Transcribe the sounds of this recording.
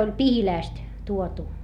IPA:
olʲ pihilæˑst tuotu

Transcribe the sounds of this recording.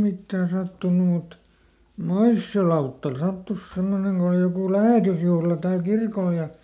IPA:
mitːæː sɑtːunu mut moisːio lɑutːɑl sɑtːus semːoneŋ ɡ̊o oli jokuˑ læheˑtysjuhlɑ tæːl kirkol jɑ

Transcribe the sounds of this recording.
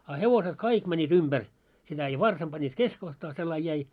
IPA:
ɑ heʋoset kɑik mænʲːiːt umb̥ær sitæ jɑ ʋɑrsɑm b̥ɑnːiːt keskohtɑː selːɑin jæi

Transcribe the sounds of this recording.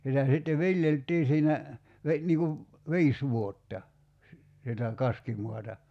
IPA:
sitæ sitːe ʋiljeltˑiː siːnæ ʋe niːŋ kuʋ ʋiːs ʋuotːɑ si sitæ kɑskimuɑtɑ

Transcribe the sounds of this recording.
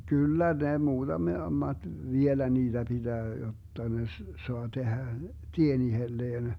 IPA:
kylːæ ne muːd̥ɑme mɑd̥ ʋielæ niːd̥æ b̥id̥æː jotːɑ ne s soɑ tehæ tien ihelːeːn

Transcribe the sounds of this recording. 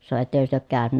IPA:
sɑno etːækøs tyø oːk kæːnynæ

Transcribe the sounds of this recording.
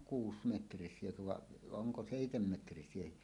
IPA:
kuːsmetrisˑiekø ʋɑʔ ʔoŋko seˑitemːetrisˑiehi

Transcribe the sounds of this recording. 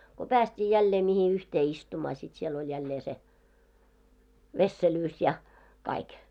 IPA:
ko pæːstʲiː jælːeː mihi yhteː istumɑː sit siel olʲ jælːeː se ʋesːelyːs jɑ kɑik

